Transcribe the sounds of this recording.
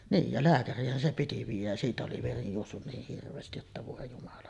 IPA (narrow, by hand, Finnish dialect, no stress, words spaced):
niːj jɑ læːkærˑiːhˑæn se piti ʋiːjˑæj jæ siːtæ oli ʋeri juosːun niːh hirʋˑeːstij jotːɑ ʋoˑe jumɑlɑ